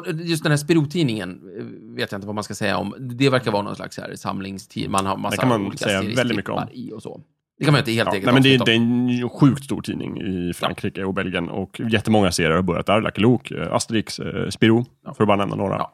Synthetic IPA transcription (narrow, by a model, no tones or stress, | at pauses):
jɵst̪d̪ɛnhæːspɪɾuːt̪ʰiːnɪŋən | veːt̪jaɪnt̪əvamanskasɛjːa̰ɔ̰md̪ɛvæɾkavɑːɾanɔ̰nsla̰ksæ̰ɾsa̰mlɪŋst̪ʰḭːmanhamasɛkːakanmansɛjːavɛld̪ɪt̪mʏkːəɔ̰mɪɔsɔ̰ | d̪ɛkʰanmajʏɪt̪əheːleːɡəɛmɛnd̪ɛɔd̪ɛɛnɧʉ̟ːkt̪st̪ṵːʈʰḭːnɪ̰ŋɪ̰fɾʔa̰ŋkɾiːkəɔbɛlɡɪjənɔ̰kjɛt̪ːəmɔŋːaseːɾɪəɾhaɾbœɾjat̪æɾla̰kːluːka̰st̪ɾiːksspɪɾuː | fœɾɔbɑːɾanɛmna̰noːɾa̰